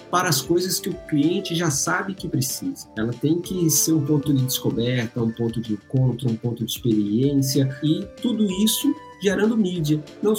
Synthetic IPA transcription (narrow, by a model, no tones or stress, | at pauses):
paɾɐːskojzɐskɪʊkliẽnt͡ʃɪʒasabɪkɪpɾesizɐɛlɐt̪ẽj̃kɪseɾũpõnt̪ʊd͡ʒɪd̪ɪskobɛɾt̪ɐũpõnt̪ʊd͡ʒɪẽkõnt̪ɾʊũpõt̪ʊd͡ʒɪispeɾiẽsiɐɪt̪ud̪ʊisʊ | ʒeɾɐ̃nd̪ʊmid͡ʒiɐnɐ̃w̃